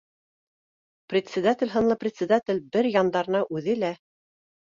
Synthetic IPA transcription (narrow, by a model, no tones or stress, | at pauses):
prʲɪt̪ʲsʲɪd̪at̪ʲɪ̆lʲɦɤ̆nlˠɤprʲɪt̪ʲsʲɪd̪at̪ʲɪlʲbɘɾjɑnd̪ɑɾnɑʔʉðɘlæ